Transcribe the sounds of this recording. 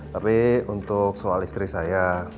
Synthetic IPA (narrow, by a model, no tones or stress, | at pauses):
t̪apiunt̪ʊksoalist̪ɾisaja